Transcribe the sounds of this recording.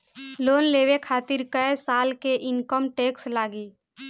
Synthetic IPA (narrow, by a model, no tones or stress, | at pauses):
loːnleːwekʰaːt̪ɪɾkəesaːlkeʔɪnkəmʈeːkslaːɡiː